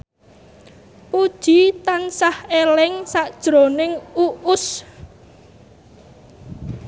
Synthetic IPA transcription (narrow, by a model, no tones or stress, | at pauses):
pud̥ʒ̥i̤t̪ansahelɪŋsaʔd̥ʒ̥ɾonɪŋuʔʊs